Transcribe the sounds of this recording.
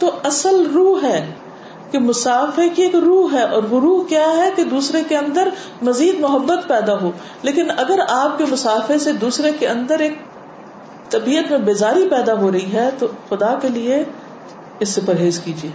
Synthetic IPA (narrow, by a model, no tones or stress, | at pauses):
t̪oɐsəlɾuːɦɦɛː | kemʊsaːfekieːkɾuːɦɦɛʔɔːɾʋʊɾuːɦkjaːɦɛked̪uːsɾekeɐ̃nd̪əɾ | mɐziːd̪mʊɦəbːət̪pɛːd̪aɦoː | leːkɪnɐɡəɾaːp̚kemʊsaːfesed̪uːsɾekeɐ̃nd̪əɾeːk̚ | t̪ɐbiːət̪mẽbeːzaːɾipɛːd̪aɦoɾɐɦiɦɛt̪oxʊd̪akelie | ɪsːepɐɾɦeːzkiːd͡ʒieː